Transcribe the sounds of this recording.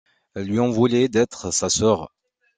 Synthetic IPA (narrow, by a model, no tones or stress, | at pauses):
ɛlːɥiɑ̃vuled̪ɛt̪χsasœʁ